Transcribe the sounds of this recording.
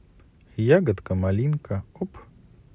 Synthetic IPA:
jaɡɐt̪kɐmalʲinkɐop

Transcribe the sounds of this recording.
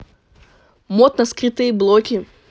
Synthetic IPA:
mot̪nɐskɾɨt̪ɨjəblˠokʲɪ

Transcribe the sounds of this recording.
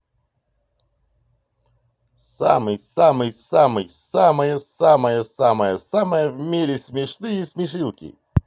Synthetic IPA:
sa̰mɨjsamɨjsamɨjsaməjəsaməjəsaməjəsaməjəvmʲeɾʲɪsʲmʲɪʂnɨjəsʲmʲɪʂɨlˠkʲḭ

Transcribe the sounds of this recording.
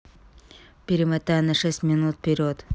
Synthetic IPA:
pʲɪɾʲɪmet̪ːanaʂɛsʲtʲmʲɪnut̪̚pʲeɾʲot̪

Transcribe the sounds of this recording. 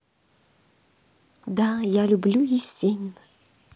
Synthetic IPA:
d̪ajalʲublʲujisʲenʲ

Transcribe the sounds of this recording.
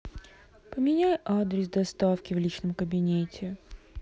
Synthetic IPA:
pəmʲɪnʲæjʔad̪ɾʲɪsd̪ɐst̪afkʲɪvlʲit͡ɕnəmkəbʲɪnʲetʲɪ

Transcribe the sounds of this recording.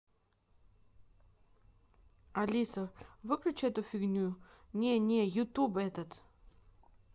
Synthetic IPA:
ɐlʲisəvɨklʲʊt͡ɕɛt̪ʊfʲɪɡnʲunʲenʲejʊt̪ubɛt̪ət̪

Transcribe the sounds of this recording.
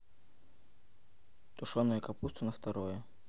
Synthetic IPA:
t̪ʊʂonːəjəkɐpust̪vənəft̪ɐɾojɛ

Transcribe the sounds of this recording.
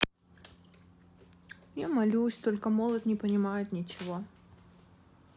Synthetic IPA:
jamɐlʲusʲt̪olʲkəmolˠət̪nʲɪpənʲɪmajɪt̪nʲɪt͡ɕɪvo

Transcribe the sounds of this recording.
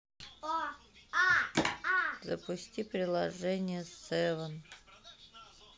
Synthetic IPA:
zə̰pʊsʲtʲipɾʲɪlˠɐʐɛnʲɪjəst̪sɛvən

